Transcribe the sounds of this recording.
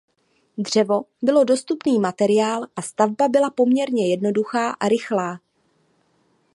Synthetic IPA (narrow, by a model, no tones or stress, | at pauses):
d̪r̝̥ɛvo̞bɪlo̞do̞st̪upniːmat̪ɛɾɪaːlʔast̪avbabɪlapo̞mɲɛɾɲɛjɛdno̞duxaːʔaɾɪxlaː